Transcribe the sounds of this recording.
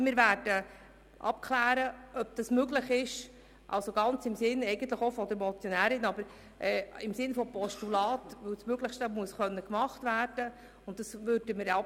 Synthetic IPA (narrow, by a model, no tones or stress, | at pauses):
mɪːɾvæːɾd̥ə | ʔɑ̰p̚kʰlæːɾəʔœb̚d̥ɑsmøɡləχɪʃ | ʔɑ̰lsoɡɑnt͡sɪmsɪnɛɪɡənt̪ləχofɔd̪əɾmɔt͡sjɔnæːɾɪnɑbəɾ | ʔɛːɪmsɪnfɔpɔʃtulɑːtʋɵwsmøɡləχʃtəmuəsχœnːəkmɑχtvæːrd̥ə | ʊnt̚dɑsʋøɾd̥əmɪɾɛ